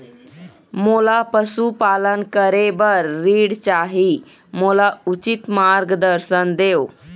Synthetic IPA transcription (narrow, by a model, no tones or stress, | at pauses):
molapəsupalənkəɾebəɾːiːɽt͡ɕaɦi | molaut͡ɕit̪maɾɡd̪əɾsənd̪ew